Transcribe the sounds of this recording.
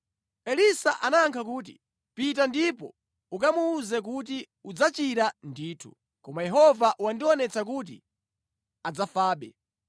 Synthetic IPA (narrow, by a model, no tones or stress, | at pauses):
ɛlisaʔanaŋkʰak̬uːt̬ḭ | pit̬andipɔ̰ | ukamuːzɛk̬ut̬i | ud͡zat͡ʃiɾandiːtʰu̥̰ | kɔmajɛɦɔvaʔuwandiwɔnɛt͡sakuːt̬ḭ | ad͡zafaːɓɛ̰